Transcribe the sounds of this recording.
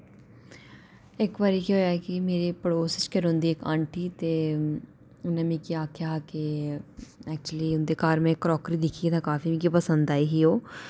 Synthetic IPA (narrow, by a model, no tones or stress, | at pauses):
ekʋaːɾikioakimeːɾepəɽoːsɪt͡ʃkeɾɦʊ̃ːnd̪iekã̰ːɳʈit̪e | nɐmĩkiaːkʰjake | ɛːk̚t͡ʃuəliʊnd̪ekaːɾmẽkːɾɔːkɾid̪ɪkʰiet̪ʰakaːfimĩkipəsə̃nd̪aːiɦioː